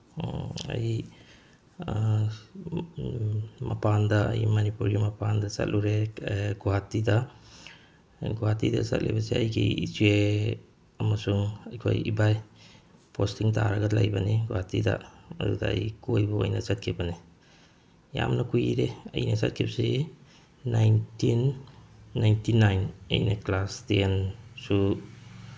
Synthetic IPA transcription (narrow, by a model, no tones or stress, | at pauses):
ɐ̰j | mɐpandɐɐjmanipuɾɡimɐpandɐsɐ̰t̚lʔuɾeɡuɦatːidɐ | ɡuɦatːidɐ̰sɐ̰t̚lʔḭbɐsiɐ̰jɡḭisue | ɐmɐsuŋɐjkʰo̰jibaj | pʰostiŋtʰaɾaɡadlajbɐniɡuwatːidɐ̰ɐ̰dṵdaɐ̰jkojbuo̰jnɐsat̚kʰibɐni | ja̰mnɐkujiɾeɐ̰jnɐsat̚kʰip̚siː | ajntinː | ajntinajnɐ̰jnaklastensu